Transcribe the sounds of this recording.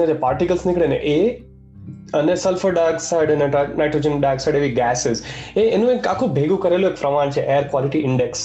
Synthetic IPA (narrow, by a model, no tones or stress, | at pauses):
ed͡ʒapaːɾʈikəlsnɪkɽenḛʔe | ɐnesɐlfəɖaːɡsaɖɐnenaɪʈɾoːd͡ʒənɖaːɡsaɖeːʋiɡɛːsɪzeenũẽkːakʰobʱeːɡũkɐɾeloeːkfɾɐʋaːnt͡ʃʰeʔeːəɾkʋaːlɪʈiɪ̃ɳɖeks